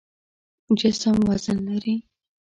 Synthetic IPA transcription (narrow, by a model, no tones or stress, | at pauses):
d͡ʒɪsəmwazɪnlaɾi